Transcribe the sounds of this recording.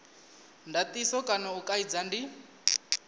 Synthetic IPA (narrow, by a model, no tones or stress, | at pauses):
ndat̪ʼisɔkʼanaukʼaid͡zandi